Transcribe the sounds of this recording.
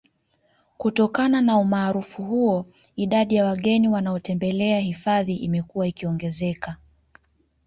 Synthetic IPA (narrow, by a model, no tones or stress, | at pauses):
kutɔkananaumaːɾufuhuɔ | iɗaɗijawaɠɛniwanaɔtɛmbɛlɛahifaðiʔimɛkuwaikiɔŋɡɛzɛka